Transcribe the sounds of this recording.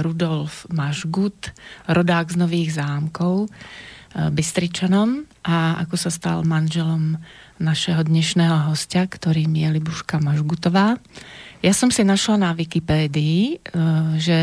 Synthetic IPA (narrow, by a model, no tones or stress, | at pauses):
ɾud̪ɔlfmaʒɡut̪ɾɔd̪aːɡznɔʋiːɣzaːmkɔʊ | bist̪ɾit͡ʃanɔm | ʔaa̰kɔsast̪a̰lmanʒɛlɔm | naʃɛɦɔd̪ɲɛʃnɛːɦɔɦɔscakt̪ɔɾiːmijɛlibuʃkamaʒɡut̪ɔʋaːjasɔmsinaʃlanaʋikipɛːd̪iː | ʒɛ